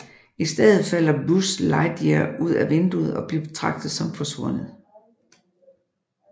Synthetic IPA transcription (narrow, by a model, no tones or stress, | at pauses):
isd̥eðˠð̩ˠfæl̰ɐbuslɑ̈ɪd̥eɐuð̞̰ˠæʋe̝nd̥uð̩ˠɒ̽b̥liɐb̥e̝t͡sʰʁɑ̈ɡ̥̚d̥ð̩ˠsɒ̽mfɒ̽sʋɔ̽n̰ð̩ˠ